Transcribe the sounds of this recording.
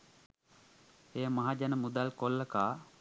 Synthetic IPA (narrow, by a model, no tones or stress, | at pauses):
ejəmaɦad͡ʒanəmud̪alkolːəkaː